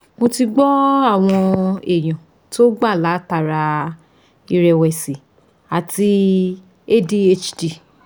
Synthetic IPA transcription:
mo˧ti˧ɡ͡bɔ˦a˦˨w̃ɔ̃˧e˨j̃ã˨ | to˦ɡ͡ba˦˨la˨˦ta˦˨ɾa˧ | i˧ɾɛ˧wɛ˨si˨ | a˨ti˧ | e˦di˦e˧t͡ʃdi˨

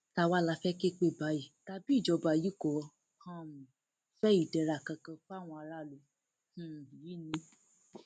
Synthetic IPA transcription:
ta˧˨wa˦˨la˧fɛ˦ke˦k͡pe˦˨ba˨˦ji˨ta˧bi˦i˦˨d͡ʒɔ˧ba˧˨ji˦kɔ˨˦˧ | hã˧˦mũ˨ | fɛ˦i˦˨dɛ˧ɾa˨kã˧kã˧fw̃ɔ̃˧a˧ɾa˦˨lu˧˦ | h̩˦˨i˨ji˦nĩ˧˦

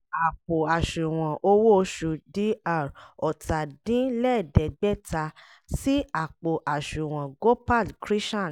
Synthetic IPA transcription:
a˨k͡po˨a˨ʃu˨w̃ã˨ʔo˧wo˦˧ʃu˧di˦a˦˨ɾɔ˨ta˨dĩ˦lɛ˦˨dɛ˨ɡ͡bɛ˦ta˧ | si˦a˨k͡po˨ʔa˨ʃũ˨w̃ã˨ɡo˦pa˦˨lkɾi˦ʃã˦˨

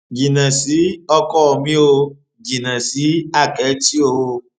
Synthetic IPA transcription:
ɡi˨nã˨si˨˦ɔ˧kɔ˦ɔ˨mĩ˦o˧ | ɡi˨nã˨si˨˦a˦˨kɛ˨˦ti˦o˧

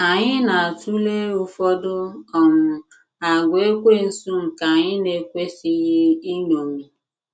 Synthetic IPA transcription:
a˨ɲɪ˦na˨tu˦le˦ʊ˦fɔ˦dʊ˦ɔ˨mʊ˨ | a˨ɡʷe˦kʷe˦n̩˨su˦m̩˨ka˨ɲɪ˦ne˨kʷe˦si˨ɣɪ˦i˦ɲo˨mi˨

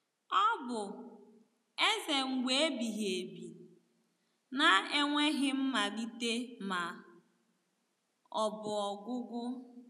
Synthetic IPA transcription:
ɔ˦bʊ˨ | e˦ze˨ŋ̩˨ɡʷe˦e˦bi˨ɦe˨bi˨ | na˨e˦ŋʷe˦ɦɪ˦m̩˦ma˨di˦te˦ma˨ | ɔ˨bʊ˨ɔ˨ɡʷʊ˦ɡʊ˦

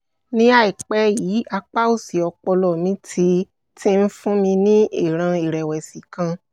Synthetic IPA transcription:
nĩ˦a˦˨i˨k͡pɛ˦jiː˨˦a˧k͡pa˦o˦˨si˨ɔ˧k͡pɔ˧lɔ˦˨mĩ˧˦tʰi˧ | tĩ˦˧n̩˦fũ˦mĩ˧nĩ˦i˦˨ɾ̃ã˧i˦˨ɾɛ˨wɛ˨si˨kã˧

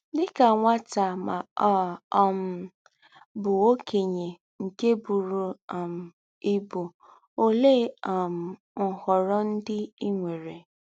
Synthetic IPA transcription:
dɪ˦ka˨ŋʷa˦ta˨ma˨ɔ˦ɔ˦m̩˦ | bʊ˨o˦kʰe˨ɲe˨ | ŋ̩˨ke˦bu˨ɾu˨m̩˨ | i˦bu˨ | o˦le˦˨ɔ˨m̩˨ | ŋ̩˨hɔ˨ɾɔ˦n̩˦dɪ˦i˦ŋʷe˨ɾe˨

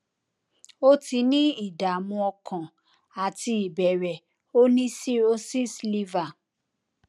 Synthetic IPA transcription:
o˦ti˧˦nĩ˦i˦˨da˨mũ˧ɔ˧kã˨ | a˨ti˧i˨bɛ˨ɾɛ˨ | o˦nĩ˦si˦o˦si˦sli˧va˨

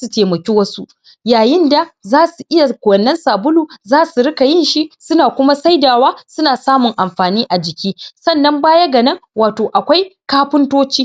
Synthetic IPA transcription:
su˨teː˨mɐ˨kʲi˦wɐ˦su˦ʔ | jaː˨jɪ˦nda˨zaː˦su˨ʔɪ˦ja˨kʷwɐ˨nːɐ˦nsaː˨bʊ˦luː˨zaː˦su˨ɾɪ˦ka˨jɪ˦nʃi˦sʊ˦naː˨kʷʊ˦ma˦sa˦jdaː˨waː˦sʊ˦naː˨saː˦mʊ˨ŋʔa˨mɸaː˨niː˦ʔa˨d͡ʒɪ˨kʲiː˦sɐ˦˨nːɐ˦mbaː˦jɐ˦ɡɐ˨nɐ˦ŋwaː˨toː˨ʔa˨kʷa˦jkaː˦ɸɪ˦ntoː˦t͡ʃiː˦

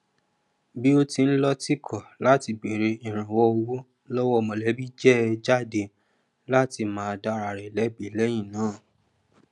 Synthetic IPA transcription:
bi˦o˦ti˧n̩˦lɔ˦ti˦kʰɔ˦˨la˨˦ti˧ɡ͡be˨ɾe˧i˨ɾ̃ã˨wɔ˦o˧wo˦ | lɔ˦wɔ˦˧mɔ̃˧˨lɛ˨˦bi˦d͡ʒɛ˦d͡ʒa˦˨de˧ | la˦ti˧mãː˦˧da˦ɾa˨ɾɛ˨lɛ˨˦bi˨˦lɛ˦j̃ĩ˦˨nãː˨˦˨

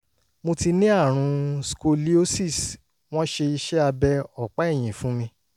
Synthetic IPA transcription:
mo˧ti˧nĩ˦a˦˨ɾ̃ũ˧sko˧li˦o˦si˦˨s | w̃ɔ̃˦ʃe˧i˧ʃɛ˦a˧bɛ˧ɔ˨k͡pa˨˦ɛ˦˨j̃ĩ˨fũ˨˦mĩ˧

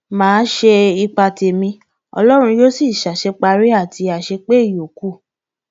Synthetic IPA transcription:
mãː˨˦ʃe˧i˧k͡pa˧te˧mĩ˧ | ɔ̰˧lɔ˦ɾ̃ũ˧jo˦si˦˨ʃa˨ʃɛ˧k͡pa˧ɾi˦a˦˨ti˧a˨ʃe˧k͡pe˦i˦˨jo˨ku˦˨

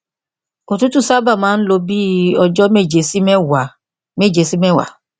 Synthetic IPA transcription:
o˧˨tu˦tu˦˨sa˦ba˦˨mãː˨˦n̩˦lo˧bi˦ɔ˧d͡ʒɔ˦me˦˨d͡ʒe˨˧˦si˦mɛ˦wa˨ | me˦˨d͡ʒe˧˦si˦mɛ̃˦˨wa̰˨

